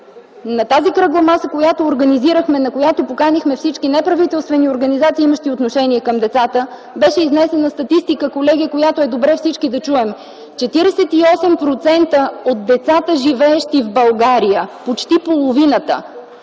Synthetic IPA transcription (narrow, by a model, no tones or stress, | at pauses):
nɐt̪azikɾɤɡlˠəmasəkojat̪oːɾɡəniziɾəxmɛnɐkojat̪opokanixmɛfsit͡ʃkinɛpɾɐvit̪ɛlˠst̪vɛnioɾɡənizat̪siːiməʃt̪iot̪noʃɛniɛkəmd̪ɛt̪sat̪ə | bɛʃɛiznɛsɛnəst̪ɐt̪ist̪ikəkolɛɡʲiəkojat̪oɛd̪obɾɛfsit͡ʃkid̪ɐt͡ʃuɛm | t͡ʃɛt̪iɾɛsɛt̪iɔsɛmpɾot̪sɛnt̪əod̪̚d̪ɛt̪sat̪əʒivɛːʃt̪ivbɐlˠɡaɾijəpot͡ʃt̪ipolˠovinət̪ə̰